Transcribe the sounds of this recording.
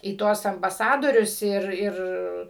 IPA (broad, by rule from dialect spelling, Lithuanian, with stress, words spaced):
iː ˈtuɔs ɐmbɐˈsɑːdoːrʲʊs ˈɪr ˈɪr